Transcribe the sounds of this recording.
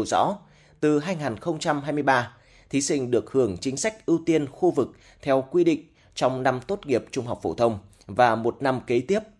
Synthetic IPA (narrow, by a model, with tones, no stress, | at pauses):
wzɔ̰˧˥ | t̪ɨ˨˩ɦaː˧jŋaː˨˩nxə˧wŋ͡mt͡ɕa˧mɦaː˧jmɨ˧əjɓaː˧ | t̪ʰi˨˦sï˧ŋ̟ɗɨ˨˩ək̚hɨ˧˩əŋt͡ɕï˨˦ŋ̟sa˦˥jk̟̚ʔi˧wt̪i˧ənxu˧vɨ˨˩k̚ | t̪ʰɛ˧wkwi˧ɗḭ̈˧˨ŋ̟ | t͡ɕɔ˧wŋ͡mna˧mt̪o˦˥t̚ŋi˨˩əp̚t͡ɕʊ˧ŋ͡mɦa˨˩wk͡p̚fo̰˧˩t̪ʰə˧wŋ͡m | vaː˨˩mo˨˩t̚na˧mke˨˦t̪i˦˥əp̚